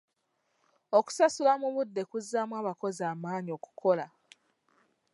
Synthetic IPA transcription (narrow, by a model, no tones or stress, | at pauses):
oku̥sasulamuβudːe̞kuzːamwaːβako̞ziaːmaːnio̞ku̥kʰo̞la